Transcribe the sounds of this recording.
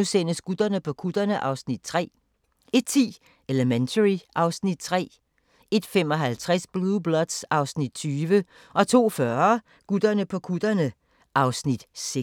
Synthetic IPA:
usen̰əsɡ̥ud̥ɐnəpʰɒ̽kʰud̥ɐnəʔɑ̈ʊsnid̥̚t͡sʰʁɛ̰ː | e̝d̥̚t͡sʰḭː | eləment͡sʰəʁiʔɑ̈ʊsnid̥̚t͡sʰʁɛ̰ː | e̝d̥femɒ̽ɦælt͡sʰʁasb̥lublɒ̽d̥sɑ̈ʊsnid̥̚t͡sʰyːʋə | ʔɒ̽t͡sʰo̝̰ːfɶɐ | ɡ̥ud̥ɐnəpʰɒ̽kʰud̥ɐnə | ʔɑ̈ʊsnid̥se

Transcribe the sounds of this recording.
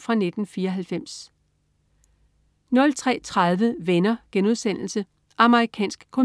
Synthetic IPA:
fʁɑ̈ne̝d̥n̩fiːɐɒɦælfem̰s | nɒ̽lt͡sʰʁɛ̰ːt͡sʰʁað̞ˠʋəʋenɐɡ̥enuð̞ˠsen̰l̩sə | ʔɑ̈məʁikʰɛ̰ːnsɡ̥kʰo

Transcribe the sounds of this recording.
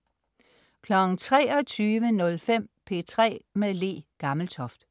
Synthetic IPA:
kʰlɒ̽ɡ̥ŋ̩t͡sʰʁɛ̰ːɒ̽t͡sʰyːʋənɔ̽lfem̰pʰe̝̰ːt͡sʰʁɛ̰ːmeðˠle̝̰ːɡ̥ɑ̈ml̩t͡sʰɒ̽fd̥

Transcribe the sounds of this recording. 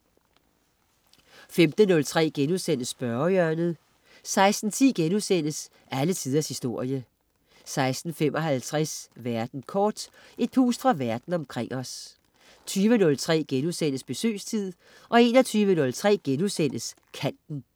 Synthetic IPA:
femd̥ənɔ̽lt͡sʰʁɛ̰ːɡ̥enuðˠsen̰əsb̥ɶɐœɐnð̩ˠ | sɑ̈ɪsd̥n̩t͡sʰḭːɡ̥enusen̰əs | ælət͡sʰið̞ˠɐshisd̥o̝ɐ̰jə | sɑ̈ɪsd̥n̩femʔɒ̽ɦælt͡sʰʁɛsʋæɐd̥n̩kʰɒːd̥e̝d̥̚hṵːsfʁɑ̈ʋæɐd̥n̩ɒ̽mkʰʁeŋ̰ʔɒ̽s | t͡sʰyːʋənɔ̽lt͡sʰʁɛ̰ːɡ̥enusen̰əsb̥e̝sø̰ːst͡sʰið̰ˠ | ʔɒ̽e̝ːnɒ̽t͡sʰyːʋənɔ̽lt͡sʰʁɛ̰ːɡ̥enusen̰əs | kʰæn̰d̥n̩

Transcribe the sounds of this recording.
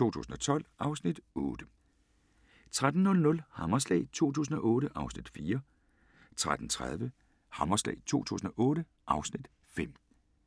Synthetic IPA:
t͡sʰo̝̰ːt͡sʰṵːsn̩ɒ̽t͡sʰɒ̽l̰ʔɑ̈ʊsnid̥ɔ̽ːd̥ə | t͡sʰʁad̥n̩nɔ̽lnɔ̽lhɑmɐslɛ̰ɪt͡sʰo̝̰ːt͡sʰṵːs̬n̩ɒ̽ʔɔ̽ːɾəʔɑ̈ʊsnid̥fiːɐ | t͡sʰʁad̥n̩t͡sʰʁað̞ˠʋə | hɑmɐslɛ̰ɪt͡sʰo̝̰ːt͡sʰṵːs̬n̩ɒ̽ʔɔ̽ːɾə | ʔɑ̈ʊsnid̥ | fem̰

